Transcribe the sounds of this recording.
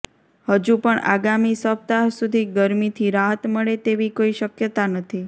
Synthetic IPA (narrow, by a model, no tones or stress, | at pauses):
həd͡ʒupəɳa̰ɡamisəp̚t̪asud̪ʱiɡəɾmit̪ʰiɾaɦət̪məɭet̪eʋikoiʃəkjət̪anət̪ʰi